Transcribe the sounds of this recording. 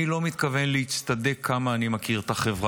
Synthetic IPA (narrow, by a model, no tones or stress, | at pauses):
ilo̞mit̪kave̞nleit͡st̪ad̪ekʰːamaːnimakiʁt̪aχevʁa